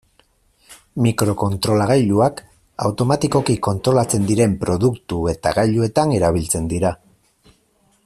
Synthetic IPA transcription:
mikɾo̞ko̞nt̪ɾo̞laɣajʎuak | awt̪o̞mat̪iko̞kiko̞nt̪ɾo̞lat͡se̞nd̪iɾe̞mpɾo̞ðukt̪ue̞t̪a̰ɣajʎue̞t̪aneɾaβ̞ilt͡se̞nd̪iɾa

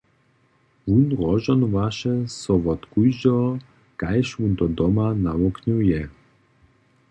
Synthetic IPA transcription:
vunʁɔʒɔnvaʃɛsɔvɔt̪kujd͡ʑɔ | kajʃwunt̪ɔd̪ɔmanawɔknujɛ

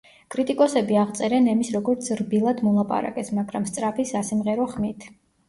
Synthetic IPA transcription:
kʼɾit̪ʼikʼɔsɛbiaʁt̪sʼɛɾɛnɛmisɾɔɡɔɾt̪sʰɾbilˠad̪mɔlˠapʼa̰ɾa̰kʼɛsmaɡɾamst̪sʼɾapʰisasimʁɛɾɔχmit̪ʰ

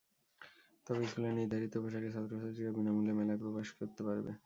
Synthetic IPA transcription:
t̪ɔbekulaniɾd̪ʱaɾit̪obʱaʃakeʃad̪ʱɾosad̪ɾikabinamulemɛlapɾokaʃkoɾt̪epaɾbḛ

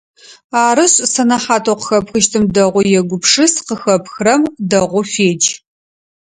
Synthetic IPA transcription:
aːɾɨɕʼsɐnɐħaːtʰoqə̥xɐpxɨʃtʰɨmdɐʁʷʊjɛɡʷʊpʂɨsqəxɐpxrɐmdɐʁʷʊfeːd͡ʒ

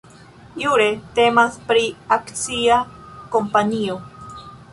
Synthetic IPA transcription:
juɾe̞te̞maspɾiakt͡siako̞mpanio

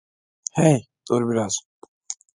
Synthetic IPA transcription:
hɛj | d̪oɾbiɾaz̥

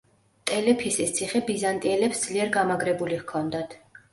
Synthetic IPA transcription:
t̪ʼɛlɛpʰisist̪sʰiχɛbizant̪ʼiɛlɛpsd̪z̥liɛɾɡamaɡɾɛbulihkʰɔnd̪at̪ʰ

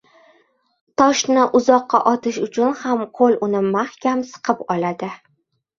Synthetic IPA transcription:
t̪ʰɒʃnɪʔʊzɒqːɑ̰ʔɒt̪ɪʃʊt͡ʃʰʊnhamqʰolʊnɪmahkʲʰamsɨ̥qʰɨpɒlad̪ɪ

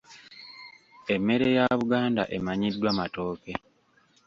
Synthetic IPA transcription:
e̞mːe̞ɾe̞jaβuɡaːndaʔe̞maɲidːwaːmato̞ːke̞

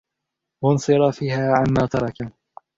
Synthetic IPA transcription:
wɑnsˤɨɾˤɑfiːhaːʕamːaːt̪ɑɾˤɑka

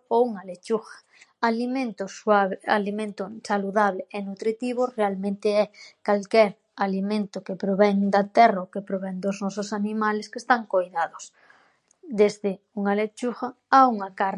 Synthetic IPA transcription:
ouŋalet͡ʃuxḁ | alimẽnt̪ʊswaβalimẽnt̪ʊsaluðaβ̞leenut̪ɾit̪iβorealmẽnt̪eɛkalkɛɾ | alimẽnt̪ʊkepɾoβɛŋd̪at̪ɛraokepɾoβɛŋd̪oznɔsosanimaleskest̪aŋkojðaðos | d̪ezðɪ | uŋalet͡ʃuxaauŋakaɾ

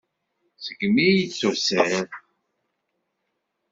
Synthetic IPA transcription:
səɡmijit͡sːʊsæɾ

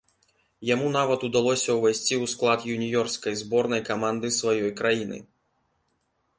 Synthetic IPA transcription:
jamunavɐt̪ud̪alˠɔsʲɐwvʲajsʲt͡sʲiwsklˠat̪junʲijɔrskɐjzbɔrnɐjkamand̪ɨsvajɔjkɾajinɨ̰

